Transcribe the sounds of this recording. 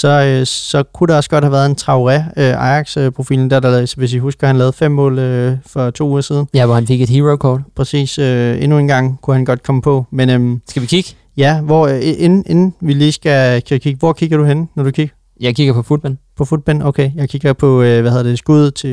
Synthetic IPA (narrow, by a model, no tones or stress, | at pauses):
sɒ̽øsɒ̽kʰuɾeɒ̽səɡ̥ɒ̽d̥hæʋæːɐðˠe̝nt͡sʰʁɑ̈ʊʁɛøʔɑ̈ɪɑ̈ɡ̥søpʰʁo̝fḭːln̩d̥æɐd̥ɑsɒʋe̝s̬ʋihusɡ̥ɐhænlɛːð̩ˠfem̰ːɔ̰̽ːløfɒ̽t͡sʰo̝̰ːuːɐsiːð̞ˠn̩jæʋɒhænfe̝ɡ̥e̝d̥hiːʁoʊkʰɒ̰ːd̥pʰʁɛsḭːsøe̝nue̝nɡ̥ɑ̈ŋ̰kʰuhænɡ̥ɒ̽d̥̚kʰɒ̽məpʰɒ̽menømsɡ̥æʋikʰiɡ̥ə | jæʋɒʔenʔe̝nn̩ʋiliːsɡ̥ækʰkʰiɡ̥əʋɒ̰kʰiɡ̥ɐɾ̥uhenənɒd̥ukʰiɡ̥ɐ | jɑ̈ɪkʰiɡ̥ɐpʰɒ̽fud̥̚b̥ænpʰɒ̽fud̥̚b̥ænoʊkʰejɑ̈ɪkʰiɡ̥ɐpʰɒ̽øʋæheðˠɐd̥e̝sɡ̥uð̞̰ˠt͡sʰe̝